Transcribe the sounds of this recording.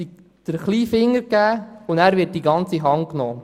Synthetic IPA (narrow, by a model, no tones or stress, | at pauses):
d̪̥əɾχliːfɪŋːəɾkæːʊndæːɾʋɪt̚d̥iɡɑnt͡siɦɑŋknɔː